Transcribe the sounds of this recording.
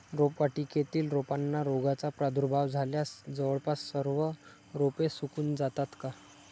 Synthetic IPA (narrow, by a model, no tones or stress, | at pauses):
ɾopʋaʈiːket̪iːlɾopanːaɾoɡat͡sapɾad̪ʱuɾbʱaʋd͡zʱaljasd͡zəʋəɭpassəɾʋə | ɾopesukuːnd͡zat̪at̪ka